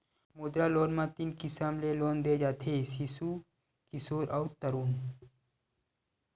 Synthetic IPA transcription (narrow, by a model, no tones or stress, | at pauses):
muːd̪ɾaːloːnmãːt̪inkisaːmleloːnd̪ed͡ʒaːt̪ʰesisu | kɪsoːɾʔɔːɾt̪əɾuːn